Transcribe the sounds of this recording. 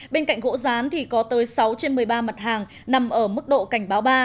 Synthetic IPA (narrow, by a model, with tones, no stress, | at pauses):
ɓe˧nka̰˧˨jŋ̟ɣo̰˧˥zaː˨˦nt̪ʰi˨˩kɔ˨˦t̪əː˨˦jsa˨˦wt͡ɕe˧nmɨ˨˩əjɓaː˧ma˨˩t̚haː˨˩ŋ | na˨˩mʔəː˧˩mɨ˦˥k̚ɗo̰˧˨ka˧˩ŋ̟ɓaː˨˦wɓaː˧